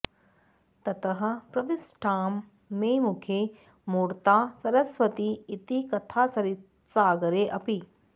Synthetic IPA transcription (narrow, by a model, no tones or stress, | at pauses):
t̪ɐt̪ɐɦɐ̆pɾɐʋisʈʰaːmː | eːmukʰeː | muːɾt̪aːsɐɾɐsʋɐt̪iːt̪ikɐt̪ʰaːsɐɾit | saːɡɐɾeːʔɐpi